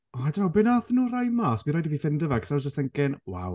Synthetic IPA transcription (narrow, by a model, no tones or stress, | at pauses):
ɔadmabɪnaθnuːrajmaswiɾɔːjdəvifɪndəvakʰsad͡ʒəstɛŋkɪnwa̰w